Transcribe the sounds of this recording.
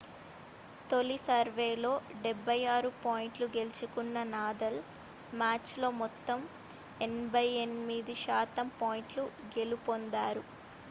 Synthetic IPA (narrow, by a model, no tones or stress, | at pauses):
t̪o̞lisɐɾʋeːlo̞ːɖɛbʱːɐjaːɾupaːjiɳʈluɡe̞lit͡ʃukunːɐnaːd̪ɐl | maːt͡ʃlo̞ːmɔt̪ːɐm | enbɐjenmid̪iʃaːt̪ɐmpaːjiɳʈluɡe̞lupond̪aːɾu